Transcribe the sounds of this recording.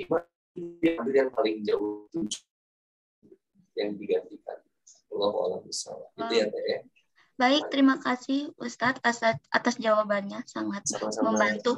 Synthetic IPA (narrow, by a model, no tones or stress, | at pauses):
ima | iianiɾjaŋpalɪŋd͡ʒawʊt̪ut͡ʃ | jaŋdiɡant̪ika̰n | walaɦua̰labisa̰lahɡit̪ujat̪aja | baɪk̚t̪əɾimakasɪhust̪at̪asaʔa̰t̪asd͡ʒawabanɲasaŋat̪̚aməmbant̪u